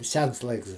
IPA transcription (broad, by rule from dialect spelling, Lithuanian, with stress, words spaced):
ˈsʲɛns ˈlˠɐɪks